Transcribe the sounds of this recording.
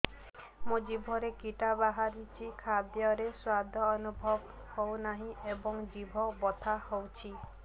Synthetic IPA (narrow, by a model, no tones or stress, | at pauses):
mud͡ʒibʱɔɾekiʈabaɦaɾit͡ʃʰikʰad̪jɔɾeswad̪ʱɔːnubʱɔb | hownaɦĩebɔŋd͡ʒibʱɔbɔt̪ʰahowt͡ʃʰi